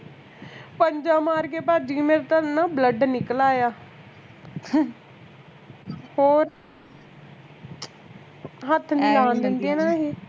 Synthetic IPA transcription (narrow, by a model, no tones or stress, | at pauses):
pəɲd͡ʒãːmaːɾkeːpaːd͡ʒiːmeɾt̪ənãːbləɖnɪklaːjaː | hoːɾ | ɦət̪ʰnilaːnd̪ɪnd̪eːnãːɦeː